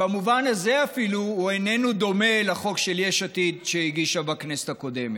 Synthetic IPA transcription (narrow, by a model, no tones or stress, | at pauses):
bamuvanazeafiluhuenenud̪o̞me̞laχo̞kʃeljeʃat̪id̪ʃehiɡiʃabakneset̪ako̞d̪emet